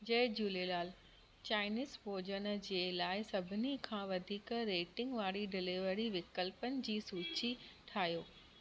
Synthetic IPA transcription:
d͡ʑɐɪd͡ʑuːlelaːl | t͡ɕaːɪniːzpoːd͡ʑənd͡ʑeːlaːɪsɐbʱɪnikʰãːʋɐd̪ʱiːkɾeːʈɪ̃ŋɡʋaːɽiɖɪlɪʋəɽiʋɪkəlpənɪ̆d͡ʑiːsuːt͡ɕiʈʰaːɦjoː

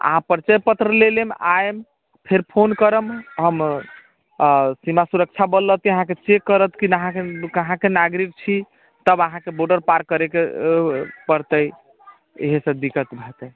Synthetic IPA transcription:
ə̰ɦãpəɾt͡ʃəjpət̪ɾəlelemaem | pʰeɾpʰonkəɾəmɦəm | simasuɾək̚t͡ʃʰabəlːət̪iəɦãket͡ʃekːəɾət̪kinəɦãkekəɦãkenaɡɾik̚t͡ʃʰi | t̪əbəɦãkeboɾɖəɾpaɾkəɾeke | pəɾt̪əj | ḛɦesə̃d̪ikət̪bʱet̪əj

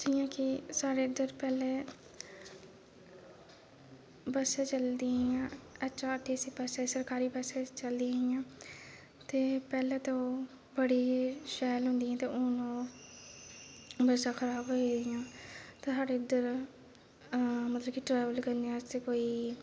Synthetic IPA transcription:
d͡ʒiːjãːkɪsaːɾeːɪd̪əɾpɛːleː | bəseːt͡ʃəld̪iijãːəːʃaːəʈʰːiːsiːpɛːsesəɾkaːɾiːbəseːt͡ʃəld̪iːaːijãː | t̪eːpɛːlɛːt̪õoː | bəɽiːʃɛːlɦʊ̃nd̪iãːt̪eːʔoːnõː | bəɾsãːkʰəɾaːbɦoːid̪ɪjãːt̪eːsaːɽeːɪd̪əɾ | mət̪ləbkɪʈɾɛːʋəlkəɾnd̪ijãːst̪eːkoːiː

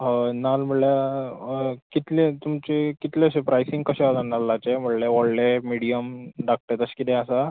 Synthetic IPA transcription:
ənalm̤əɽlja | kit̪let̪umt͡ɕikit̪leəɕepɾajsiŋɡkəɕẽat̪analːat͡ɕem̤əɽleʋɔɽlemiɽijəmɖak̚ʈet̪əɕkit̪ẽəsa

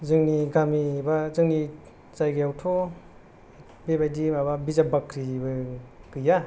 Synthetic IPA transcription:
zɯŋniɡamibazɯŋni | t͡ʃajɡɯjawtʰɔ | bebajdimaβabizabakʰɾibɯkɯja

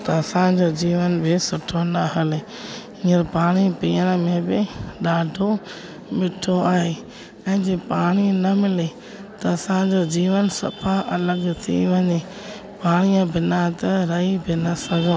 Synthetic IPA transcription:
t̪ɐɐsãd͡ʑoːd͡ʑiːʋənbɪsʊʈʰonaɦəle | ĩːəɾpaːɽ̃ipiːəɽ̃̆mẽbɪɗaːɖʱo | mɪʈʰoaːɦeː | ɛ̃ːd͡ʑeːpaːɽ̃inɐmɪle | t̪ɐɐsãd͡ʑoːd͡ʑiːʋənsɐ̰pʰaʔɐləɡt̪ʰḭʋɐɲe | paːɽ̃ijə̃bɪnat̪ɐɾɐibɪnɐsɐɡʱõ

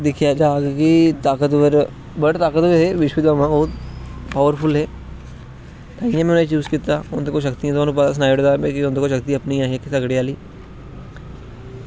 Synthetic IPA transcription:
d̪ɪkʰjaːd͡ʒaːɡkɪt̪aːkət̪ʋəɾ | bəɽt̪aːkət̪ʋəɦeːʋɪʃʋiːd̪aːmãːbɔːʊt̪paːʋəɾpʰʊlɦeː | t̪ãːãmɛ̃net͡ʃuːskiːt̪aːʊnt̪eːkoːʃ̬əkt̪iãːt̪oaːnũːpət̪aːs̬naːɪɽd̪aːbeːkɪʊnt̪eːkoːʃəkt̪iəpnĩːaːɦikisəɡɽeːaːliː

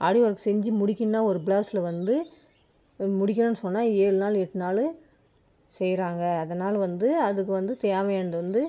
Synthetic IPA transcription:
ʔaːɽɪʋɐɾkːɯsɛɲd͡ʒɯmʊɽɪkʲːɯnnːaːɔɾɯbɪlaːsɪlɐʋɐnd̪ɯ | mʊɽɪk̬ʲːɐɳɐ̃nːɯsɔnːaːeːɻɯnaːlɛʈːɯnaːlɯ | sɛjɾaːŋɡɐːðɐnaːlɐʋɐnd̪ɯɐðɯkːɯʋɐnd̪ɯt̪eːʋɐɛnɐd̪ɯʋɐnd̪ɯ

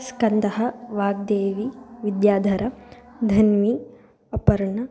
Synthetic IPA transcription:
skɐnd̪ɐɦɐʋaːɡ̚d̪eːʋiʋid̪jaːd̪ʱɐɾɐd̪ʱɐnmi | ɐpɐɾɐɳɐ

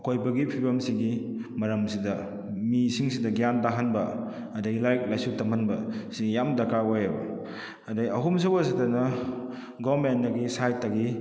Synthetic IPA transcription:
kojbɐɡipʰibɐmsiŋɡimɐɾɐmsidɐ | misiŋsidɐɡijandaɦanbɐ | ɐdɐɡilajk̚lajsutɐmɐnbɐsiɡjamdɐkaojɐbɐ̰ | ɐdaɡiɐɦums̬ɐwasidɐnɐ | ɡɔbmendɐɡisajtːaɡi

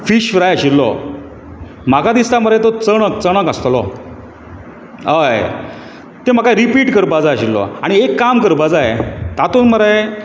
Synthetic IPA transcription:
fiɕfɾajaɕilːɔ̰ | m̤aɡad̪ist̪aməɾajt̪ot͡səɽ̃əkt͡səɽ̃əkəst̪lɔ | əj | t̪em̤əkajɾipiːʈkəɾbad͡zajəɕilːɔ̰aɽ̃iekːamkəɾpad͡zajet̪at̪uːnməɾa

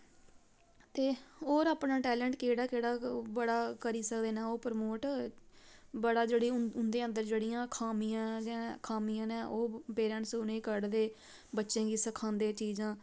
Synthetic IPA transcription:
t̪eːɦoːɾaːpnãːʈɛːlɛ̃ɳʈkeːɽaːkeːɽaːbəɽaːkəɾiːsəkd̪eːnaːoːpəɾəmoːʈ | bəɽaːd͡ʒeːɽiːʊnd̪eːə̃nd̪əɾd͡ʒeːɽijãːkʰaːmijãːd͡ʒãkʰaːmijãːnɛːʔoːpeːɾəɳʈsʊnẽːkəɽd̪eː | bətːʃẽːɡiːsəkʰãːnd̪eːt͡ʃiːd͡ʒãː

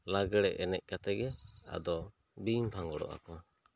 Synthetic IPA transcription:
laɡɛɽɛʔɛnɛc̚ˀkat̪ɛɡɛa̰d̪ɔ | bimpʰãŋɡɔɽɔ̰ʔa̰kɔ

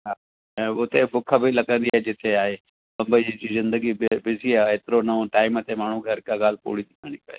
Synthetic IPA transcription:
ɦãː | ʊt̪ʰebʊkʰəbʱilɐkə̃nd̪iaːɦed͡ʒɪt̪ʰeaːɦeː | bɐ̃mbəid͡ʒizɪ̃nd̪əɡibbɪziaeːt̪ɪɾonɐõʈaːɪmət̪emaːɳ̤ũkʰɐɾkaɡaːlpo̰ːɽit̪ɪkʰaːɽ̃ipɐ̰ḛː

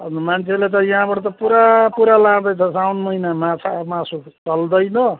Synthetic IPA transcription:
ʌnmant͡sʰelet̪̬ʌjãɦãbʌʈʌt̪ʌpuɾapuɾalad̪ʌjt͡sʰʌsawnmʌinamat͡sʰamasu | t͡sʌld̪ʌjnʌ

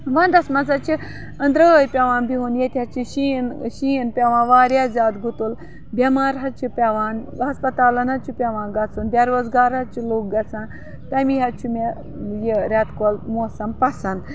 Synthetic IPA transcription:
ʋand̪ɐsmɐt͡sat͡ʃi | ɐnd̪ɾəjpʲɛʋãːnbiɦunjet̪ʲat͡ʃiɕinɕinpʲɛʋãːʋaːɾjad͡zaːt̪ɡut̪ul | bʲɐmaːɾɦat͡ʃipʲeʋãːn | ɦɐspɐt̪aːlɐnat͡ʃipʲɛʋãːnɡɐt͡sunbʲaɾʋɐd͡zɡaːɾat͡ʃiloːk̚ɡɐt͡sãn | t̪ajmiɦat͡ʃʰume | jeɾʲat̪kolmɔsɐmpɐsɐnd̪

